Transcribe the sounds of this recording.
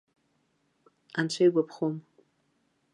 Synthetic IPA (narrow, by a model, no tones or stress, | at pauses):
ant͡ɕʷʰajɡʷapʰχom